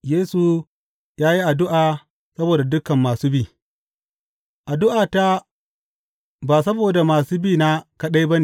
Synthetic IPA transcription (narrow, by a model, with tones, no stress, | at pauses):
jeː˦su˨ | jaː˦ji˦ʔa˨dʊ˦ʔaː˨ | sɐ˦boː˨da˨dʊ˦kɐ˨mːaː˨suː˦biː˦˨ | ʔa˨dʊ˦ʔaː˨ta˦ | baː˨s̬ɐ˦boː˨da˨maː˨suː˦biː˦˨na˦kɐ˦ɗa˦jbɐ˦ne˨